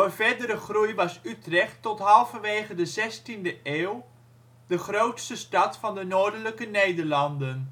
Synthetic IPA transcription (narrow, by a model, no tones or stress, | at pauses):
əvɛdəɾəχrujʋɑsytrɛχtːɔtɦɑlˠfənʋeːχədəzɛstindəʔeːwˠ | dəχrowtstəstɑtfɑndənoːɹdələkənejdəɹlɑndən